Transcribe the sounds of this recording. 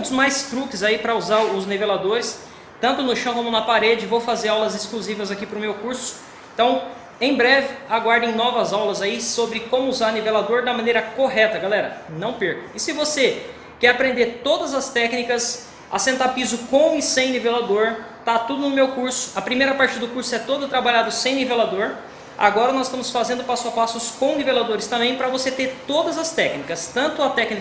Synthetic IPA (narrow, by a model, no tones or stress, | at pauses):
t̪ʊzmajst̪ɾukɪzaipɾɐuzaɾʊznevelad̪oɾɪs | t̪ɐ̃nt̪ʊnʊʃɐ̃w̃kõmʊnɐpaɾed͡ʒɪvowfazeɾawlɐzɪskluzivɐzakipɾʊmewkuɾsʊ̥̃ | t̪ɐ̃w̃ | ẽj̃bɾɛvɪaɡwaɾd̪ẽj̃nɔvɐzawlɐzaisobɾɪkõmʊuzaɾnivelad̪oɾd̪ɐmɐ̃nejɾɐkoɦɛt̪ɐɡalɛɾɐnɐ̃w̃peɾkʊɪsɪvose | kɛɾapɾẽnd̪eɾt̪od̪ɐzɐst̪ɛknikɐs | ɐ̰sẽnt̪aɾpizʊkõw̃ɪsẽj̃nivelad̪oɾt̪at̪ud̪ʊnʊmewkuɾsʊ̥ɐpɾimejɾɐpaɾt͡ʃɪd̪ʊkuɾsʊɛt̪od̪ʊt̪ɾabaʎad̪ʊsẽj̃nivelad̪oɾ | a̰ɡɔɾɐnɔzɪst̪ɐ̃mʊsfazẽnd̪ʊpasʊapasʊskõw̃nivelad̪oɾɪst̪ɐ̃mbẽj̃pɾɐvoset̪eɾt̪od̪ɐzɐst̪ɛknikɐst̪ɐ̃nt̪ʊɐt̪ɛkni